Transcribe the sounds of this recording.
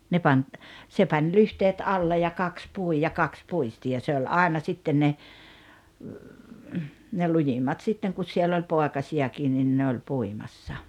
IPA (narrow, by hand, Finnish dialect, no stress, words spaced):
ne pɑnʲ se pɑnʲ lyhteːt ɑlːe jɑ kɑks pui jɑ kɑks puisti jɑ se olʲ ɑˑenɑ sitːen ne ne lujimːɑt sitːeŋ kus sielː olʲ poekɑsiɑkiːn nin ne olʲ puimɑsːɑ